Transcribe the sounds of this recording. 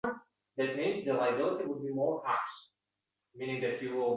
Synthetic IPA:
ðɨt̚mĩnzðəlaɪəbɪlˠətiwəd̚bimɔɹækʃ | mĩnɪ̃ŋðɨtjɨwɪlˠ

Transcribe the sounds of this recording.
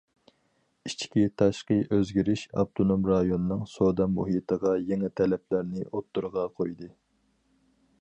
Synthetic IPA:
it͡ʃkʲit̪ʰɑʃqəʔøzɡʲiɾɪʃɑ̰p̚t̪ʰonomɾɑjonɨnɨŋsod̪ɑmːuɦit̪ʰəʁɑjɛŋɛt̪ʰɛlɛplæɾnɪʔot̪ːuɾʁɑqʰojd̪ɨ

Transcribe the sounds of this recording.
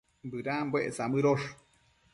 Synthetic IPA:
mbɨɾambweʔesamɨɾoʂ

